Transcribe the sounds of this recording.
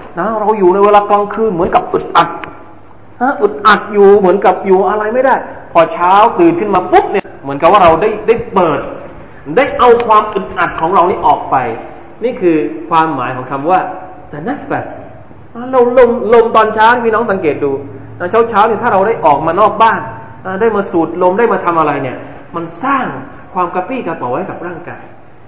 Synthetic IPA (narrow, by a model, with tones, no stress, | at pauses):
na˦˥ɾa˧wjuː˨˩na˧jweː˧laː˧kla˧ŋkʰɯː˧˥˩nmɯ˩˦ənka˨˩p̚ʔɯ˨˩t̪̚ʔa˨˩t̪̚ | ʔa˦˥ʔɯ˨˩t̪̚ʔa˨˩t̪̚juː˨˩mɯ˩˦ənka˨˩p̚juː˨˩ʔa˧ɾa˧jma˥˩jdaː˥˩jpʰɔː˧t͡ɕʰaː˦˥wt̪ɯː˨˩nkʰɯ˥˩maː˧pu˦˥p̚ni˥˩ɐmɯ˩˦nka˨˩p̚waː˥˩ɾa˧wdaː˥˩jdaː˥˩jpɤː˨˩t̪̚ | daː˥˩jʔa˧wkʰwaː˧mʔɯ˨˩t̪̚ʔa˨˩t̪̚kʰɔː˩˦ŋɾa˧wniː˥˩ʔɔː˨˩k̚pa˧j | niː˥˩kʰɯː˧kʰwaː˧mːaː˩˦jkʰɔː˩˦ŋkʰa˧mwaː˥˩ | d̪ə˧nɛ˦˥˩tfɛ˨˩s | ʔa˦˥˩lo˧lo˧mlo˧mt̪ɔː˧nt͡ɕʰaː˦˥ni˥˩pʰiː˥˨ɔ˦˥ŋsa˨˦ŋkeː˨˩t̪̚duː˧ | na˦˥t͡ɕʰa˦˥wt͡ɕʰaː˦˥wni˥˩t̪ʰaː˥˩ɾa˧wda˥˩jʔɔː˨˩k̚maː˧nɔː˥˩k̚baː˥˩ŋ | ʔa˧˩daː˥˩jmaː˧suː˨˩t̪̚lo˧mdaː˥˩jmaː˧t̪ʰa˧mʔa˧ɾa˧jni˥˩ɐ | ma˧nsaː˥˩ŋ | kʰwaː˧mkaː˧piː˥˩kaː˧pa˨˦wjka˨˩p̚ɾaː˥˩ŋkaː˧j